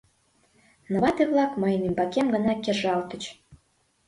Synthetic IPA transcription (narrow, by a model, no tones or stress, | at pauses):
nə̆βɑt̪eβlˠɑkmɤ̆jnimbɑkemɡə̆nɑkʲeʒɑlt̪ə̆t͡ɕ